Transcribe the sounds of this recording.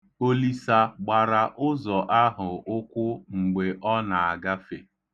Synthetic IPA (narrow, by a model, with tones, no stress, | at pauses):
o˦li˦sa˦ɡ͡ba˨ɾa˨ʔʊ˦zɔ˨ʔa˦ɦʊ˨ʊ˦kʷʊ˦ŋ͡m̩˨ɡ͡be˨ʔɔ˦na˨a˨ɡa˦fe˨